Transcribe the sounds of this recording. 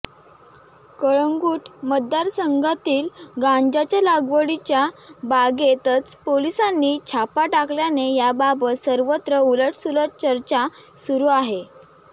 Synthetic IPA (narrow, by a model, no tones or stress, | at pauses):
kəɭəŋɡuːʈməd̪ːaɾsəŋɡʱat̪iːlɡãɲd͡ʑat͡ɕjalaɡʋəɽit͡ɕjabaɡet̪ət͡spolisanːiːt͡ɕʰapaʈakljanejababət̪səɾʋət̪ɾəuləʈsuləʈ̚t͡ɕəɾt͡ɕasuɾuːaɦe